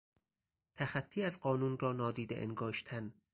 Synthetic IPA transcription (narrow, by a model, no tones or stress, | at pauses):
t̪ʰæxæt̪ʰːiːæzɢɒːnuːnrɒːnɒːd̪iːd̪eʔḛŋɡɒːʃt̪ʰæn